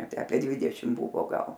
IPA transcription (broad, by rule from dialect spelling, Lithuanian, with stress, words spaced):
ˈtʲæː ˈɑːpʲiɛ ˈdʲʋʲɪdʲɛʃʲɪm ˈbʊʋoː ˈɡɐlˠ